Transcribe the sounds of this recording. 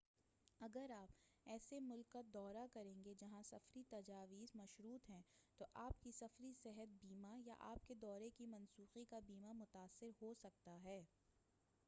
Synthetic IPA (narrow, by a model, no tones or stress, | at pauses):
ɐɡəɾaːpɛːsemʊlkːad̪ɔːɾakɐɾẽːŋɡed͡ʒɐɦãsɐfɾit̪ɐd͡ʒaːʋiːzmɐʃɾuːt̪ɦɛ̃t̪oʔaːpkisɐfɾisɛɦət̪̚biːmaja̰ʔa̰ːp̚ked̪ɔːɾekimɐnsuːxikabiːmamʊt̪aːsːɪɾhosɐk̚t̪aɦɛː